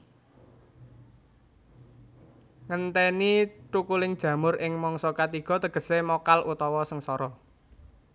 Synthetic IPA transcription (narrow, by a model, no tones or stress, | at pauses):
ŋənt̪ɛnit͡ʃukulɪŋd̥ʒ̥ä̤mʊɾʔɪŋmɔŋsɔkat̪iɡ̥ɔ̤t̪əɡ̥ə̤semɔkalʔut̪ɔwɔsəŋsɔɾɔ